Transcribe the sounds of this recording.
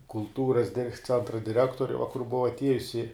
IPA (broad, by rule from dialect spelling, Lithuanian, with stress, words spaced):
kʊlˠˈtuːrɐs ˈt͡sʲɛntrɐ dʲɪˈrʲæːktoːrʲɪ ʋɐ kʊr ˈbʊʋɐ ɐtʲˈiɛjʊsʲɪ